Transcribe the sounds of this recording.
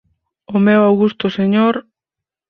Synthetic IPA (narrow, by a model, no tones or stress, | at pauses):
omeoawɣust̪oseɲoɾ